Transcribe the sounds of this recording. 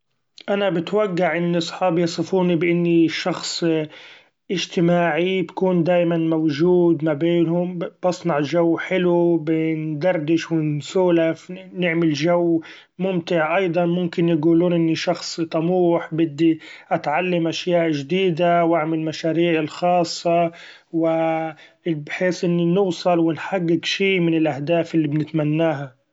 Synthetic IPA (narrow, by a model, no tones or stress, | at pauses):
ʔanabɪt̪waɡːaʕʔɪnːɑsˤħɑːbjɑsˤɨfuːnibɪʔɪnːiʃɑxsˤ | ʔɪʒt̪ɪmaːʕibkuːnd̪aːjmanmawʒuːd̪mabeːnhʊmb̥ɑsˤnɑʕʒawːħɪlubɪnd̪ɑrˤd̪ɪʃwɪnsuːlafnɪʕmɪlʒawː | mʊmt̪ɪʕʔɑjd̪ˤɑnmʊmkɪnjɡuːluːnʔɪnːiʃɑxsˤt̪ˤɑmuːħbɪd̪ːiʔat̪ʕalːamʔaʃjaːʔʒd̪iːd̪awʔaʕmɪlmaʃaːɾiːʕɪlxɑːsˤːɑ | wɪ | bħeːsʔɪnːinʊːsˤɑlwɪnħaɡːɪɡʃiːmɪnɪlʔahd̪aːfɪlːibnɪt̪manːaːɦa